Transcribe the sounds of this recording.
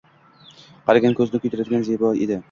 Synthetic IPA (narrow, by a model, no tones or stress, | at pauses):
qʰɑɾaɡʲankʰʲɵzɪnɪkʰɵjt̪ʰʊɾad̪ɪɡʲanzebɒḛd̪ɪ